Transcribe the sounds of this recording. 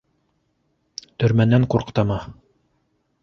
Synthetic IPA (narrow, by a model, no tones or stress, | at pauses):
t̪ɵ̆ɾmænæŋquɾqt̪ɑmɑ